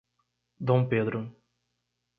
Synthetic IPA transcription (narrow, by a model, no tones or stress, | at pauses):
d̪õw̃ped̪ɾʊ